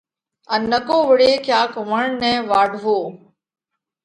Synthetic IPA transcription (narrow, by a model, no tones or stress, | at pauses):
ənːəkoːʋəɽeːkʰjaːkʋəɳɳnɛ̃ːʋaːɖʱʋoː